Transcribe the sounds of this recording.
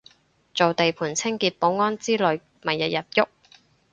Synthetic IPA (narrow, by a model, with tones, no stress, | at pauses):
t͡so˨wt̪e˨jpʰuː˨˩nt͡sʰɪ˥ŋkiː˧t̚po˨˥wŋɔː˥nt͡siː˥lɵ˨˧ɥ | mɐ˨jjɐ˨t̚jɐ˨˩p̚jʊ˥k̚